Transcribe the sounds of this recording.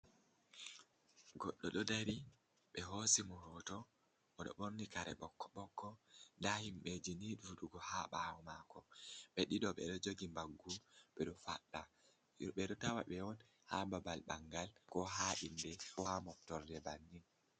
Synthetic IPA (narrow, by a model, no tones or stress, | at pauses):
ɡɔɗːɔɗɔdaɾi | ɓɛɦosimɔhɔtɔ | ɔɗɔ̰ɓoɾnikaɾɛ̰ɓɔkːɔ̥ɓɔkːɔndahimɓɛd͡ʒiniɗuɗuɡɔhaɓawɔmakɔɓɛɗiɗɔɓɛ̰ɗɔd͡ʒoɡimbaɡːuɓɛɗɔfa̰ɗːa | juɓɛɗɔtawa̰ɓɛwɔn | hababalɓaŋɡalkɔɦaʔindɛɔhamɔftɔɾdɛbanːin